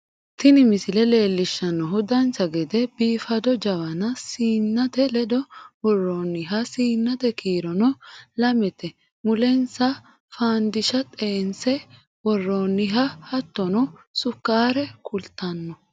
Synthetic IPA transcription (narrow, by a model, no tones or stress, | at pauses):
t̪ɪnɪmɪsɪlɛle̞ːlːɪʃːɐnːɔɦʊd̪ɐnsɐɡɛd̪ɛbiːfɐd̪ɔd͡ʒɐwɐnɐsiːnːɐt̪ɛlɛd̪ɔwɔrːonːɪɦɐsiːnːɐt̪ɛkʰiːɾɔnɔlɐmɛt̪ɛ | mʊlɛnsɐ | faːnd̪ɪʃɐt̪ʼeːnsɛ | wɔrːoːnːɪɦɐhɐt̪ːɔnɔsʊkːaːɾɛkʰʊlt̪ːɐnːɔ